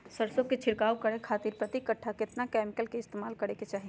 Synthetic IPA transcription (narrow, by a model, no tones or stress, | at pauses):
səɾsõket͡ʃʰɪɽkaːokəɾekʰaːt̪iɾpɾət̪ikəʈʰːaket̪nakɛmikəlkeɪst̪emaːlkəɾeket͡ʃaːɦi